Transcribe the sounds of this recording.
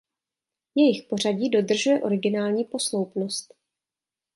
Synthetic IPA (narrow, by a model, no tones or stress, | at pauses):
jɛjɪxpo̞raɟiːdo̞dr̩ʒujɛʔo̞ɾɪɡɪnaːlɲiːpo̞slowpno̞st̪